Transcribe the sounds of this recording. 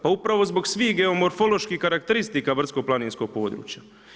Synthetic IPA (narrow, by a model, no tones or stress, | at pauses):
paupɾaʋo̞zbo̞ɡsʋiːhɡe̞o̞mo̞ɾfo̞lˠo̞ʃkihkaɾakt̪eɾist̪ikabr̩t̪skoplˠaniːnsko̞ɡ̚po̞ːd̪ɾṵːt͡ɕja